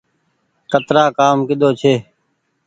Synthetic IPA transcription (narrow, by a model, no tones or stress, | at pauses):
kət̪ɾaːkaːmkɪd̪oːt͡ʃʰeː